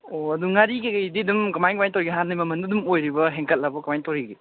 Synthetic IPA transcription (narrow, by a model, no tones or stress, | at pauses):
oɐduŋaɾikɐkɐjdidumkɐmajkɐmajtoɾiɡiɦanːijmɐmɐndudumojɾibɐɦeŋkɐt̚labɐkɐmajtoɾiɡi